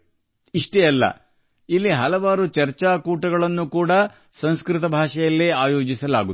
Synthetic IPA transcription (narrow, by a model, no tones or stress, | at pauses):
iʂʈeɐlːɐ̰ | ilːiɦɐlɐʋaːɾut͡ʃɐɾt͡ʃaːkuːʈɐɡɐɭɐnːukuːɽɐ | sɐñskɾɪt̪ɐbʱaːʂɛjɐlːiaːjo̞ːd͡ʒisɐla̰ːɡut̪ː